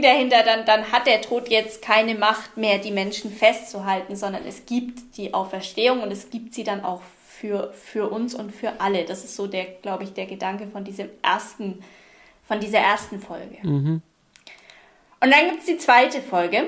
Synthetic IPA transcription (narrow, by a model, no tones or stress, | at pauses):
dahɪntɐdandanɦat̚d̥eːɐtʰoːtʰjɛt͡stkʰaɪnəmaχtmeːɐdiːmɛnʃn̩fɛstt͡suɦaltn̩zɔndɐ̰nʔɛ̰sɡ̥iːptd̥iːʔaʊfɛɐʃteːʊŋʊntɛsɡ̥iːp̚tz̥iːdana̰ʊx | fyːɐfyːɐʔʊnsʊntfyːɐʔaləd̥asɪ̥stz̥oːdeːɐɡ̥laʊbəɪçd̥eːɐɡədaŋkəfɔndiːzəmʔeɐstn̩ | fɔndiːzɐʔeːɐstn̩fɔlɡə | ʔʊntd̥anɡiːp̚tsd̥iːt͡sv̥aɪtəfɔlɡə